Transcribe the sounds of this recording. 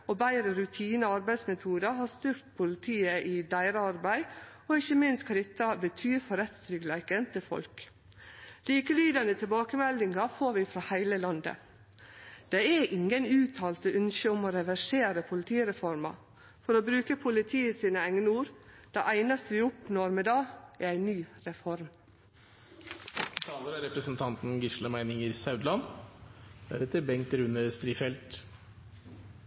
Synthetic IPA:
obæɪɾəɾʉt̪ʰiːnəɑɾbæɪd̪smɛt̪ʰuːd̪ɑɦɑːst̪ʉɾt̪̚pʰʊlɪt̪ʰiːəʔɪd̪æɪɾəɑɾbæɪ | ɔɪçːəmɪnst̪kʰɑɾɪt̪ːɑbət̪ʰyːɾfɔɾɛt̪st̪ɾʏɡlæɪkənt̪ʰɪlfɔ̰lk | liːkəliːd̪ɑnət̪ʰɪlbɑːkəmɛld̪ɪŋɑfoːɾʋɪfɾɑːhæɪləlɑnd̪ə̰ | d̪̥ɛæʔɪŋənʉːt̪ʰɑːlt̪əœnʃəʊmoɾɛʋæʂeːɾəpʰʊlɪt̪ʰiːɾɛfɔɾmɑ̰ | fɔɾoːbɾʉːkəpʰʊlɪt̪ʰiːəsiːnəæŋnəuːɾd̪̥ɛʔæɪnɑst̪əʋɪːʊpnɔɾmɛd̪ɑːææɪnyːɾɛfɔɾm | t̪ʰɑːləɾæɾɛpɾəsnt̪ʰɑnt̪n̩ɡɪʂləmæɪnɪŋəɾsɑʉd̪lɑn | b̪̥æ̰ɾɛt̪ʰəbɛŋ̚t̪ɾʉnəst̪ɾiːfɛlt̪

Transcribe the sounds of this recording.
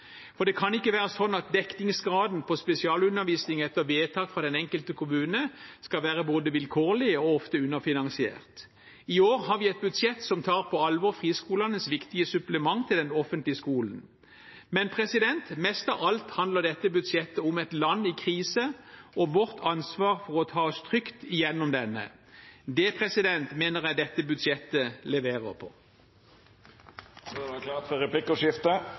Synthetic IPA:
fɔʁd̪ɛkʰɑnɪkːəʋæːʁəsɔnːɑt̪̚d̪ɛknɪŋsɡʁɑːd̪npʰɔspɛsɪɑːlʉnːəʋiːsnɪŋɛt̪ːəʋeːt̪ʰɑːkfʁɑːd̪ɛnɛŋkəlt̪əkʰʊmʉːnəskɑʋæːʁəboːd̪əʋɪlkʰoːlɪəɔɔft̪əʉnːəfɪnɑŋsɪḛːʁt̪ | ɪoːʁhɑʁʋɪɛt̪̚bʉd̪sjɛt̪ːsɔmt̪ʰɑːʁpʰɔɑlʋɔʁfʁiːskuːlɑnəsʋɪkt̪ɪəsʉpləmɑŋːt̪ʰɪld̪ɛnɔfənt̪lɪəskuːln̩ | mɛnpʰʁɛsɪd̪ɛnt̪mɛst̪ɑʋɑlt̪hɑnd̪ləʁd̪ɛt̪ːəbʉd̪sjɛt̪ːəʊmɛt̪lɑnːɪkʰʁiːsəɔʋɔʁt̪ʰɑnsʋɑːʁfɔʁɔt̪ʰɑːɔst̪ʰʁʏkt̪ɪjɛnːɔmd̪ɛnːə̰d̪ɛpʰʁɛsɪd̪ɛnt̪meːnəʁjæɪd̪ɛt̪ːəbʉd̪sjɛt̪ːəlɛʋeːʁə̰ʁpʰɔ̰ | sɛklɑːʁt̪fɔɾɛpʰlɪkːɔʂɪft̪ə

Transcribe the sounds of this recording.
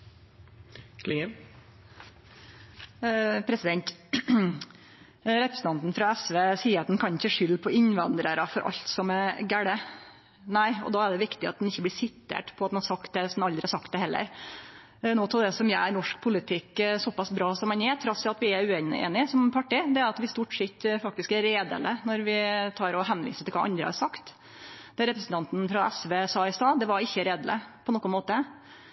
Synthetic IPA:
kʰlɪŋə | pʰɾɛsɪd̪ɛnt̪ | ɾɛpɾəsnt̪ɑnt̪n̩fɾɑɛsʋeːsiːɑt̪d̪ɛnkʰɑnɪçəʂʏlːpʰɔɪɲʋɑnd̪ɾəɾɑfɔɾʔɑ̰ʎt̪sɔmɛɡæɽə | næɪɔ̰d̪ɑːæɖ̪ɛʋɪkt̪ɪɑt̪̚d̪ɛnɪçːəblɪsɪt̪ʰːḛːʈpʰɔɑt̪̚nhɑɾsɑkt̪̚d̪ɛsɔd̪nɑld̪ɾɪhɑsɑkt̪d̪ɛhɛlːə̰ɾ | noːt̪ɪld̪ɛsɔmjæɪnɔʂk̚pʰʊlɪt̪ʰɪkːsɔpɑsbɾɑːsɔmɑnjɛːt̪ʰɾɑsɪɑt̪ʋɪæɾʉeːnḛːnɪsɔmpʰɑʈːɪd̪ɛæɾɑt̪ʋɪst̪uːʈʂɪt̪ːfɑk̚t̪ɪskæɾːeːd̪ə̰lənɔɾʋɪt̪ʰɑːɾɔɦɛnʋḭːsət̪ʰɪlkʋɑ̰ʔɑ̰nd̪ɾə̰hɑ̰ɾʂɑkt̪ | d̪̥ɛɾɛpɾəsn̩t̪ʰɑnt̪nfɾɑʔɛsʋeːsɑɪsɑːd̪ɛʋɑɾɪçːəɾeːd̪ələ̰pʰɔnɔːkːɔnmoːt̪ə

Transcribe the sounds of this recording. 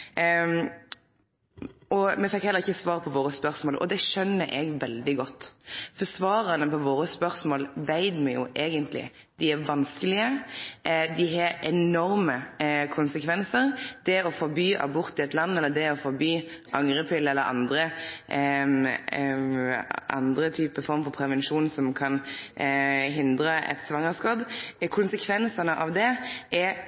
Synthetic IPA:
ɔmɛfɛkhɛlːəʁɪçːəsʋɑːʁpʰɔʋoːɾəspœʁsmoːlʔɔ̰d̪ɛʃœnːəʔɛɡʋɛld̪ɪɡɔt̪ːfɔsʋɑːɾɑnəpʰɔʋoːɾəspœɾsmoːlʋæɪd̪mɛjʊʔeːɡənt̪lɪ̰ | d̪̥ɪæɾʋɑnskəlɪə | d̪ɪɦɑɛnɔɾməkʰʊnsəkʰʋɛnsəɾd̪̥ɛɔfɔɾbyːʔɑ̰bʊɾt̪ɪɛt̪lɑnːɛlːəd̪ɛɔfɔɾbyːʔɑŋɾəpʰɪlːɛlːəɾɑ̰nd̪ɾə | ʔɑ̰nd̪ɾət̪ʰyːpəfɔɾmfɔɾpʰɾɛʋɛnʃuːnsɔmkʰɑn | ɦɪnd̪ɾəʔɛ̰t̪sʋɑŋːəskɑːbkʰʊnsəkʰʋɛnsənəʔɑʋd̪ɛɛ

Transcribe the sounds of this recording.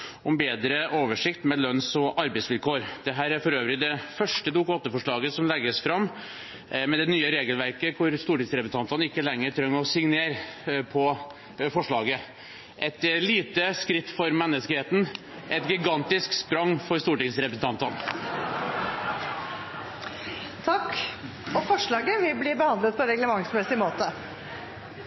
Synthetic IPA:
ɔmbeːd̪ɾəʔoːʋəʂɪkt̪mɛlœnsɔʔɑɾbæɪsʋɪlkʰoːɾd̪̥ɛɦæːɾæɾfɔɾøːʋɾɪd̪ɛfœʂʈəd̪uːkʊoːt̪əfɔʂɭɑːɡəsɔmlɛɡːəsfɾɑmː | mɛd̪ɛnyːəɾeːɡəlʋæɾkəkʰʊɾst̪uːʈɪŋsɾɛpɾsn̩ʰɑnt̪ɑnɪkːəlɛŋːəʈ̪ʰɾœŋːəɾɔsɪŋneːɾpʰɔ | fɔʂɭɑːɡə | ʔɛt̪liːt̪əskɾɪt̪ːfɔɾmɛnːəskəheːt̪n̩ | ʔɛt̪ɡɪɡɑnt̪ɪskspɾɑŋːfɔɾst̪uːʈɪŋsɾɛpɾəsn̩t̪ɑnt̪ɑn | t̪ʰɑk | ɔfɔʂɭɑːɡəʋɪbliːbəhɑnd̪lət̪̚pʰɔɾɛɡləmɑŋsmnɛsɪmoːt̪ə

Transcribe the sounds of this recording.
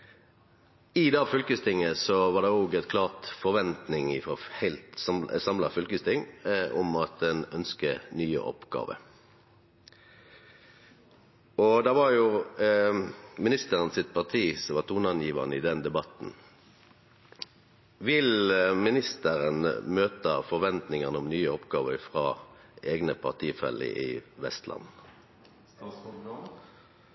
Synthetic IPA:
ɪd̪ɛɑːfʏlkəst̪ɪŋːəsɔʋɑːd̪ɛoːɡɛt̪kʰlɑːʁt̪fɔɾʋɛnt̪nɪŋɪfɔhæɪlt̪sɑmsɑmlɑfʏlkəst̪ʰɪŋɔmɑt̪̚d̪ɛnœnskənyːə̰ʔɔ̰pɡɑ̰ːʋə̰ | ɔd̪ɑːʋɑʁjʊ | mɪnɪst̪əʁənsɪt̪̚pʰɑʁt̪ʰiːsɔʋɑt̪ʰuːnɑnjiːʋəʁnəɪd̪ɛnd̪ɛbɑt̪n̩ | ʋɪlmɪnɪst̪əʁənmøːt̪əfɔʁʋɛnt̪nɪŋənəɔmnyːəɔpɡɑːʋəfʁɑːʔeːɡnəpʰɑʁt̪ʰiːfɛ̰lə̰ɪ̰ʋɛst̪lɑ̰n

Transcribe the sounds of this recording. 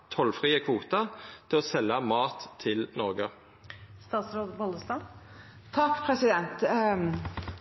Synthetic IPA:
t̪ʰɔlfʁiːəkʰʋuːt̪ɑt̪ʰɪloːsɛlːɑmɑːt̪ʰːɪlnɔʁɡə | st̪ɑːt̪sɾoːd̪bɔləst̪ɑ | t̪ʰɑkːpʰɾɛsɪd̪ɛnt̪

